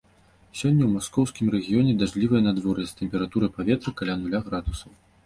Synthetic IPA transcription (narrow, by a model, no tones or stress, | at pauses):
sʲɔnʲːɐwmaskɔwskʲimrɛɣʲijɔnʲɛd̪aʐlʲivɐjɛnad̪vɔrnʲɐsʲt̪ɛmʲpʲɛɾat̪uɾɐpavʲɛt̪ɾɨkalʲanulʲaɣɾad̪usɐw